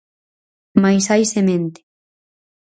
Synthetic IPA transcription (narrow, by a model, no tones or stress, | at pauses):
majsajsemẽnt̪ɪ̥